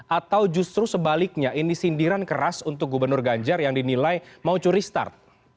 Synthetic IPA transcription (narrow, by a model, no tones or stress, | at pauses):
ʔat̪awd͡ʒust̪ɾusəbalɪk̚ɲaʔinisindiɾankəɾasunt̪ʊk̚ɡubərnʊrɡaɲd͡ʒarjaŋdinilajmaut͡ʃuɾist̪a̰rt̪̚